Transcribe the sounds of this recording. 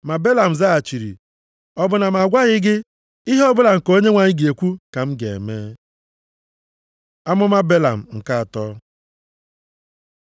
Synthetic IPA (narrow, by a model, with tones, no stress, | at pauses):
ma˨be˦la˨m̩˨za˦a˨t͡ʃi˨ɾḭ˨ | ɔ˦bʊ˨na˨m˨a˨ɡʷa˦ɣɪ˦ɡɪ˦ | i˦ɦe˦ɔ˦bʊ˦la˨ŋ̩˨ko˦ɲe˦ŋʷa˨ɲɪ˦ɡe˨kʷu˦ka˨m̩˦ɡḛ˨ḛ˨meː˦ | a˦mʊ˦ma˦be˦la̰˨m̩˨ŋ̩˨ka˦a˨tɔ˦